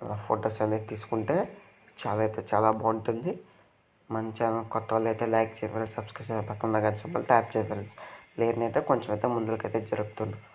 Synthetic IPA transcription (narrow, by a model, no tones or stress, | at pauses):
laːpʰoːʈoːsɐlet̪iːsu̥kuɳʈe̞ː | t͡ʃaːlaːijt̪eːt͡ʃaːlaːbaːɳʈund̪i | mɐɲt͡ʃanɐkɔt̪ːɐʋɐlɐjt̪eːlɐjk̚t͡ʃeːpaːlsɐbskɾɐʂɐnpɐk̪ːund̪aɡansɐmɐ̰lʈaːp̚t͡ʃeːpeːlɐnsleːɾnɐjt̪eːkoɲt͡ʃɐmɐjt̪eːmund̪ulɐkɐjt̪eːd͡ʒɐɾukut̪und̪i